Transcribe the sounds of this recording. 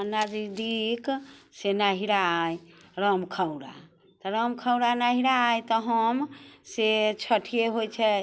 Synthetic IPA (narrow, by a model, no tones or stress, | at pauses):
nad͡ʒid̪iksenaɦiɾaajɾəmkʰawɽa̰ | t̪ɔɾəmkʰəwɾanaɦiɾaːjt̪ɔɦəmset͡ʃʰəʈʰijeɦojt͡ʃʰɛ